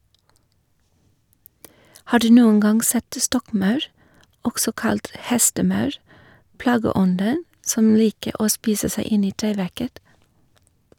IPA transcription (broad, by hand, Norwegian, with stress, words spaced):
ˈhɑː ˈɖʉː ˈnuːəŋ ˈɡɑŋ ˈsɛt ˈstɔkˌmɑʉɾ ˈɔksɔ ˈkɑlt ˈhɛstəˌmɑʉɾ ˈplɑːɡəˌɔndən ˈsɔm ˈliːkə ˈoː ˈspiːsə ˈsæɪ ˈɪn ˈiː ˈʈeːˌʋæɾkət